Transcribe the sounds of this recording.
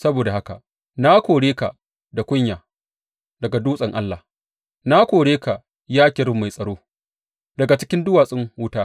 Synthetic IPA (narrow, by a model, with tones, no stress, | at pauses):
sɐ˦boː˨da˨ha˦ka̰˨ʔ | na˦kʷoː˨ɽeː˦ka˨ʔ | da˨kʷʊ˦ɲjaː˨ | dɐ˨ɡa˨duː˦sʼɐ˨ŋʔa˦lːa˨ | na˦kʷoː˨ɽeː˦ka˨ʔ | jaː˦kʲɪ˨ɾɪ˦mːa˨jsʼɐ˨ɽoː˦ | dɐ˨ɡa˨t͡ʃɪ˦kʲɪ˦ndʊ˦waː˨sʼɪ˦ŋwʊ˦taː˦